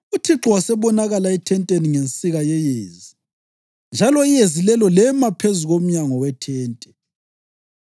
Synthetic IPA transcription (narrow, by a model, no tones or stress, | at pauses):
utʰiǁɔwasɛβɔnaɣalaɛtʰɛntʼeniŋent͡sʼiɣajɛjeːzi | nd͡ʒʱalɔijezilɛlɔlɛmapʰezuɣom̩ɲaŋɔwɛtʰɛːntʼɛ